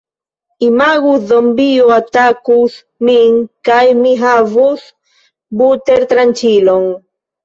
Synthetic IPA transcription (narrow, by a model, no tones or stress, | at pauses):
imaɣusðombioat̪akus | miŋkajmiɦavus | but̪eɾt̪ɾant͡ʃiloŋ